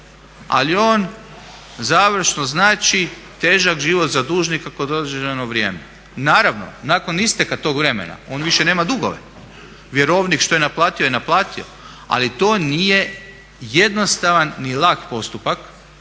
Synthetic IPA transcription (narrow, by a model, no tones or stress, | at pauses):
a̰lio̞ːn | zaːʋr̩ʃnoznaːt͡ʃi | t̪e̞ːʒakʒiʋot̪zad̪uːʒnikako̞d̪od̪d͡ʒenoʋɾje̞ːme | naːɾaʋno̞̰nako̞nist̪ekat̪o̞ɡʋɾe̞mḛna̰o̞ːnʋiʃeneːmad̪uɡo̞̰ʋḛ | ʋjeɾo̞ʋnikʃt̪o̞jenaplˠaːt̪iojenaplˠaːt̪io̰ | a̰lit̪o̞ːnije̞ | je̞d̪no̞st̪aʋanːilˠakpo̞st̪upak